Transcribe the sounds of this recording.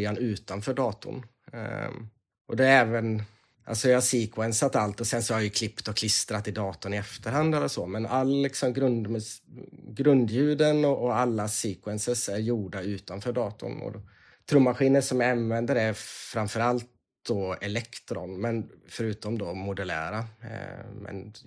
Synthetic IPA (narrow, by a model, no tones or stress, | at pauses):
janʉ̟ːt̪anfœːɖɑːt̪ʊ̰n̰ | ʔɔd̪ɛɾɛːvən | ʔa̰lsɔjahasiːkʰwɛnsat̪alt̪ɔsɛnsɔhaɾjɵkʰlɪpt̪ɔkʰlɪst̪ɾat̪ɪd̪ɑːt̪ʊnɪɛft̪əɾhand̪ɛlːəʂɔmɛnalːlɪksɔmɡɾɵnd̪m | ɡɾɵnd̪jʉ̟ːd̪ənɔʔɔalːasiːkwɛnsəʂæɾjuːɖaʉ̟ːt̪anfœːɖɑːt̪ʊ̰nɔ̰d | t̪ʰɾuːmːaɧiːnəʂɔmjaanvɛnd̪əɾæɾfɾamfœɾalt̪̚ | d̪̥ɔɛlɛkt̪ɾɔ̰nmɛnfœɾʉ̟ːt̪ɔmd̪ɔmʊd̪ɛlæ̰ːɾa̰ | mɛ̰n